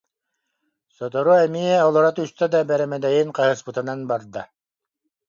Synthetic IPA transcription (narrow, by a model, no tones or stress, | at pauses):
sɔt̪ɔɾuɛmiɛɔlˠɔɾat̪yst̪œd̪abɛɾɛmɛd̪ɛjinqaɦɯspɯt̪ɯnanbaɾd̪a